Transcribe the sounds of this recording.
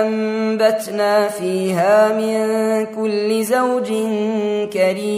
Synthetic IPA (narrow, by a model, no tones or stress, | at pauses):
ambat̪naːfiːɦaːmɪnkʊlːɪzawd͡ʒɪnkaɾiː